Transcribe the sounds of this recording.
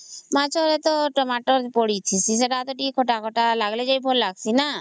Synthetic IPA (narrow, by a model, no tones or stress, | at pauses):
mat͡ʃʰɔɾet̪ɔʈɔmaʈɔɾpɔɽit͡ʃʰisis̬eʈat̪ɔʈikʰɔʈakʰɔʈalaɡled͡ʒajbʱolːaɡsʰina